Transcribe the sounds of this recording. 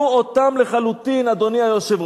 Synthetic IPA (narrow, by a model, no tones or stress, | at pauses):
uot̪amleχalut̪inad̪o̞niajoʃev